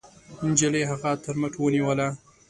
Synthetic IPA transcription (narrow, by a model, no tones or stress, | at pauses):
nd͡ʒəleɦaɣat̪əɾmaʈwəniwəla